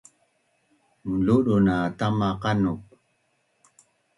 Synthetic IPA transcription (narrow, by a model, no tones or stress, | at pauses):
muluɗunat̪amaqanuk̚